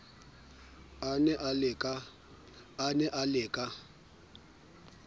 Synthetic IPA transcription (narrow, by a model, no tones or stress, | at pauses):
anɛʔalɪkʼa | anɛʔalɪːkʼa